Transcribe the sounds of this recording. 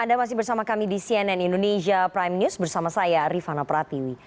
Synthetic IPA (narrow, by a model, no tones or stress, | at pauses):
andamas̬ɪhbərsamakamidisiɛnɛnindoned͡ʒiapɾajmnjusbərsamasajaɾifanapɾat̪iwi